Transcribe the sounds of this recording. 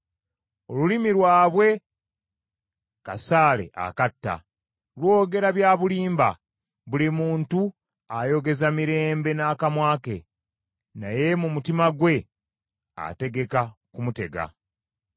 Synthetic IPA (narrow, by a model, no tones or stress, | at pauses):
o̞lulimilwaːβwe̞ | kasaːle̞̰ʔa̰katːa̰ | lwo̞ːɡe̞ɾaβjaːβuliːmba̰ | βulimuːntu | ajo̞ɡe̞zamiɾe̞ːmbe̞naːkamwaːke̞̰ | naje̞mumutimaɡwe̞ | a̰te̞ɡe̞kakumute̞ɡa̰